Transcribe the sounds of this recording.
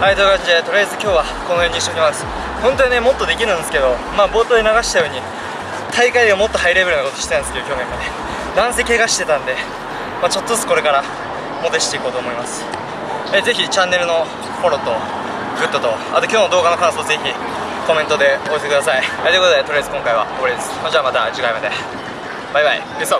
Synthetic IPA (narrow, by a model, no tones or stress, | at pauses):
aid̪oɡaid̪et̪o̞ɾejazɨkʲo̞ːβa | konojoːɲiɕːoɲimasɨ̥ | hõ̞nt̪o̞ɲine̞mo̞t̪ːo̞d̪e̞kʲiɾɯ̟̃nd̪esɨ̥ke̞d̪o̞maːbo̞ːt̪oːd̪enaɡaɕi̥t̪ajo̞ːɲ̟i | t̪ʰaikaideomo̞t̪ːo̞haiɾebeɾnako̞t̪oɕi̥et̪ãnesɨked̪okʲjo̞ːmẽ̞ŋane | d̪ãɰ̃se̞ːkʲe̞ɡaɕi̥t̪e̞t̪ãnd̪e̞ | mat͡ɕo̞t̪ːozɨt͡sɨ̥ko̞ɾe̞kaɾa | mot̪eɕi̥t̪e̞iko̞ːt̪oːmo̞imasɨ̥ | eze̞çit͡ɕãnːe̞ɾɯ̟no̞ | ho̞ɾo̞t̪o̞ | ɡɯ̟t̪ːat̪o̞ | a̰t̪o̞kʲo̞ːnod̪oːɡano̞kãɰ̃so̞ːaze̞çi | ko̞mẽ̞nt̪o̞d̪e̞o̞ese̞kɯd̪asaiajt̪ekot̪d̪et̪oɾɯazɨ̥kõ̞ŋkaiβa̰oboɾid̪esɨ̥nod͡ʑaːmat̪ad͡ʑɨkaimad̪e̞ | b̥ajbaḭ | eso